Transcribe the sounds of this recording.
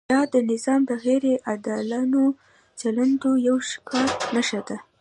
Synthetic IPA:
d̪ɑd̪ənɪzɑmd̪əɣeɾeʔad̪ɑlano | t͡ʃaland̪ojawʃkɑt̪naʃad̪a

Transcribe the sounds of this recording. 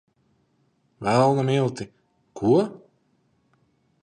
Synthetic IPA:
vælˠnamilˠt̪i | kʰuɔ

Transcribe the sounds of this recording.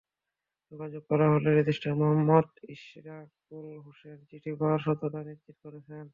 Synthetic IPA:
d͡ʑoɡad͡ʑoɡ̚kɔɾaɦoleɾid̪iʃʈaɾmoɦamːɔd̪iʃɾakulɦoʃent͡ɕiʈʰibʱaɾʃɔt̪oʈaniɾd͡ʑit̪koɾet͡ɕʰen

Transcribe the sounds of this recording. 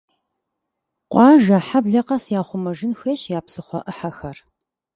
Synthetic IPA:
qʷɑːʒɐħabɮɐqɐsjaːχʷʊmɐʒɪnxeːɕjaːpsɨχʷɔ̰ʔɨħɐxɐr

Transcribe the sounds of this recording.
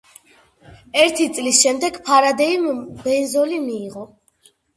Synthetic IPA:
ɛɾt̪ʰit̪sʼlisʃɛmd̪ɛɡpʰaɾad̪ɛimbɛnzɔlimiːʁɔ

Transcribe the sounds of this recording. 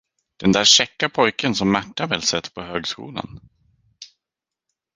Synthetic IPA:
d̪̥ɛnd̪æːʂɛkːapʰɔjkənsɔmːæʈːavɛːlsɛt̪ːpʰɔɦøːɡskṵːla̰n

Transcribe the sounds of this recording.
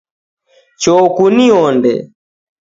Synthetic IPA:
t͡ʃɔkuniɔndɛ̰

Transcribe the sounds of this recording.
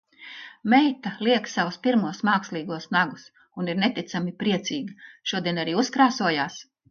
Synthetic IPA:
mɛjt̪aliɛksavuspiɾmuɔsmaːkslˠiːɡuɔsnaɡus | uniɾnet̪it̪samipɾiɛt̪siːɡɐʃuɔd̪iɛnaɾiːuskɾaːsuɔjaːs

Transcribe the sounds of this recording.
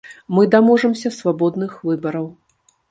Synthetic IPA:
mɨd̪amɔʐɐmsʲɐsvabɔd̪nɨxvɨbɐɾɐw

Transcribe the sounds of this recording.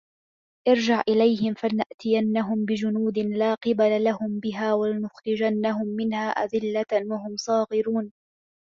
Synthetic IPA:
ʔɑɾd͡ʒaʕʔɪlajhɪmfanaʔt̪ɪjanːaɦʊmbɪd͡ʒʊnuːd̪ɪnlaːqɨbalalahʊmbɪɦaːwalɪnʊxɾɪd͡ʒanːaɦʊmːɪnhaːʔa̰d̪ɪlːawaɦʊmsˤɑːɣɪɾuːn

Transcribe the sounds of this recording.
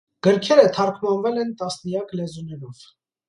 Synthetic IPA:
ɡ̥əɾkʰɛɾət̪ʰɑɾkʰmɑnvɛlɛnt̪ɑsnəjɑklɛzunɛɾɔv̥

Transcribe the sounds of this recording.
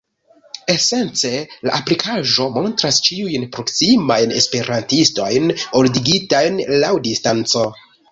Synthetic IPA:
e̞se̞nt͡se̞la̰ʔaplikʰaʒo̞mo̞ntɾast͡ʃiujnpɾo̞ksimajne̞̰spe̞ɾantisto̞jnoldiɡitajnlawdistant͡so̞

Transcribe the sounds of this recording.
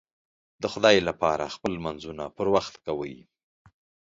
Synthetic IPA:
d̪əxʊd̪ɑjlapɑɾa̰xpəlmanzunapəɾwaxt̪kawəj

